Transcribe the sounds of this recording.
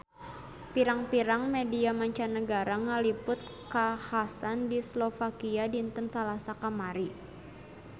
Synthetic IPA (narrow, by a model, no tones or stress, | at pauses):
piɾaŋpiɾaŋmediamaɲt͡ʃanəɡaɾaŋalipʊt̪̚kahasandislofakiadiːnt̪ənsalasakamaɾi